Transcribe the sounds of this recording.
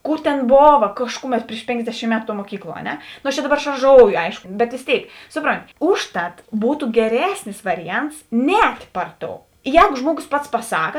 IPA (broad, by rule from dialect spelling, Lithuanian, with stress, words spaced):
ˈkuːr tʲɛn ˈboːʋɐ ˈkɑːʃkʊˌmʲɛt pʲrʲɪʃ ˈpʲeːŋɡzʲdʲɛʃʲiːm ˈmʲæːtʊ tuɔ muɔˈkʲiːklˠuɔ ɐ ˈnʲɛ noː ɐʃ t͡ʃʲɛ ˈdɑːˌbɐr ʃɐrˈʒoːʊjoː ˈɐɪʃkoː bʲɛt ʋʲeːs ˈtʲeːɪk ˈsʊˌproːnʲtʲɪ ˈʊʃˌtɐt ˈbuːtʊ ɡʲɛˈrʲæːsʲnʲɪs ˈʋɑːrʲɪˌjɛnts ˈnʲɛːtʲ ˈpɐr ˌtoːʊ ˈjɛːɡoː ˈʒmuɔˌɡoːs pɐts pɐˈsɑːkɐ